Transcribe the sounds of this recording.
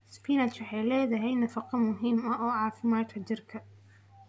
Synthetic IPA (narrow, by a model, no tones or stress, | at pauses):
spinɐt͡ʃwɑħɑjlɛːðɐɦɛjnɐfɑqɑmʊɦiːmɐɔːʕɑːfɪmaːt̪kʰɐt͡ʃɪrkʰɐ